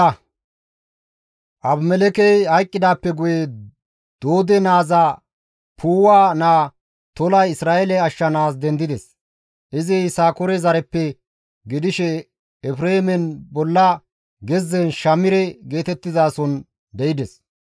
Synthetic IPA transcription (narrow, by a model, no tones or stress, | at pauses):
ʔɐbmɛlɛkɛjhɐjkʼːɪd̪aːpːɛɡʊjɛ | d̪̥o̞ːd̪ɛnaːza | pʰuːwaːnaː | t̪ɔlɐjɪsɾaːʔɛlɛɐʃːɐnaːs̬d̪ɛnd̪ɪd̪ɛs | ʔɪzɪjsaːkɔɾɛzɐɾɛpːɛ | ɡɪd̪ɪʃɛ | ɛfɾeːmɛnbɔlːɐ | ɡɛzːɛnʃɐmɪɾɛɡe̞ːt̪ɛt̪ːɪzaːsɔn | d̪ɛjɪd̪ɛs